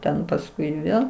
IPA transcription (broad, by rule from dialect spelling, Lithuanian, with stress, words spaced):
ˈtʲɛn pɐsˈkʊɪ ˈʋʲeːlˠ